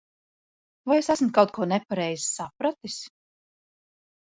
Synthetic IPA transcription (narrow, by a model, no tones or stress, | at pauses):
vajesæsm̩kawt̪̚kuɔnɛpaɾɛjzisapɾat̪is